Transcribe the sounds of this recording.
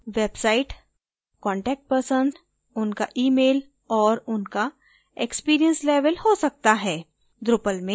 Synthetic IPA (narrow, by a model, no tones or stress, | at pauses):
ʋeːbsaːɪʈ | kɔ̃ːɳʈɛːk̚ʈ̚pɐɾsənd | ʊnkaʔiːmeːl | ɔːɾʊnka | ekspiːɾijə̃nsleːʋəlhosɐk̚t̪aɦɛː | d̪ɾʊpəlmẽ